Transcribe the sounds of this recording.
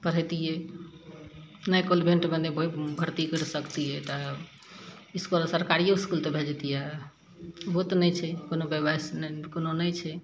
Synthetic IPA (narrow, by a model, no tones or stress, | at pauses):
pəɾ̤əjt̪ijɛ | nəjkolbʱeɳʈbə̃d̪ebʱbʱəɾt̪ikəɾsəkt̪ijɛt̪ɔ | iskulsəɾkaɾijoiskult̪ɔbʱed͡ʒt̪ijɛ | bot̪nəjt͡ʃʰɛkonobebaskononəjt͡ʃʰɛ